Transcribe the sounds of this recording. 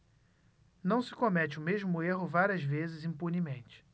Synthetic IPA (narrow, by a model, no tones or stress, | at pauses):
nɐ̃w̃sɪ̥komɛt͡ʃɪʊmeʒmʊeɦʊvaɾʲiɐzvezɪzĩpunimẽnt͡ʃɪ̥